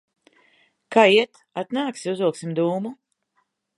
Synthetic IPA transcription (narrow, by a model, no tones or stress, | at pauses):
kaːiɛt̪ | at̪naːksiuzuɔksimd̪uːmu